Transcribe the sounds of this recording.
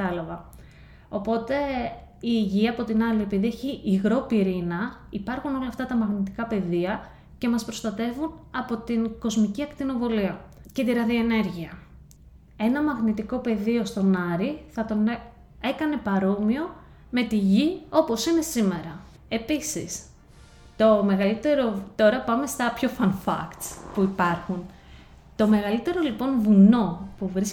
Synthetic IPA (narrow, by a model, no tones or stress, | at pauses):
ɐlɐvɐ | o̞po̞t̪e̞ | iʝiɐɐpo̞t̪inɐlie̞piðieçiʔːɣɾo̞piɾinɐipɐɾxuno̞lɐːft̪ɐt̪ɐmɐɣnit̪i̥kɐpe̞ðiɐ | ce̞mɐspɾo̞st̪ɐt̪e̞vunɐpo̞t̪inko̞zmiciɐkt̪ino̞vo̞liɐce̞t̪iɾɐðioe̞ne̞ɾʝiɐ | e̞nɐmɐɣnit̪iko̞pe̞ðio̞st̪o̞nɐɾiθɐt̪o̞n | e̞kɐne̞pɐɾo̞mio̞ | me̞t̪iʝio̞po̞sine̞sime̞ɾɐ | e̞pisḭs | t̪o̞me̞ɣɐlit̪e̞ɾo̞t̪o̞ɾɐpɐme̞st̪ɐpço̞fɐnfɐ̰kt̪spuipɐɾxun | t̪o̞me̞ɣɐlit̪e̞ɾo̞lipo̞nvuno̞puvɾis